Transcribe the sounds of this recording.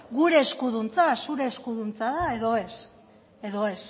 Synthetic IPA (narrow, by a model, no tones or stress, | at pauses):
ɡuɾe̞ːskuðunt͡sasuɾe̞ːskuðunt͡saðae̞ðo̞e̞s | e̞ðo̞e̞s